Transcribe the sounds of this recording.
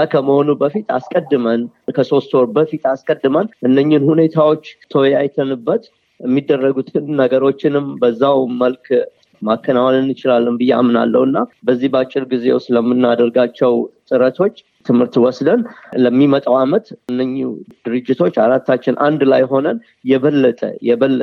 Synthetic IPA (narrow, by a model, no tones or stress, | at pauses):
kʰəməho̞nubəfit̪askʼəd̪ːɨmənkʰəso̞st̪oɾbəfit̪askʼəd̪ːɨmənʔɨnːəɲːɪnhune̞t̪ʰawo̞t͡ʃːt̪ʰəwjajt̪ʰənɨbːət̪ | ɛmːid̪ːərːəɡut̪ʰɨnːəɡəɾo̞t͡ʃːɪnɨmbəzːawməlk | makʰːənawalɨnɨt͡ʃɪlalːɨmbɨjːɛa̰mːɨna̰lːə̰hɨnːabəzːihbəat͡ʃʼːɪɾɡizewsləmːɨnːad̪əɾɡat͡ʃːɛwt̪ʼɨɾət̪ʰo̞t͡ʃː | t̪ʰɨmhɨɾt̪wɔsd̪ənləmːimət̪ʼəwamət̪ɨnːəɲːṵd̪ɨɾɨd͡ʒːɪt̪ʰo̞t͡ʃːaɾat̪ːat͡ʃːɪnʔa̰nd̪lajɦo̞nən | jɛβəlːət̪ʼə̰jɛβəl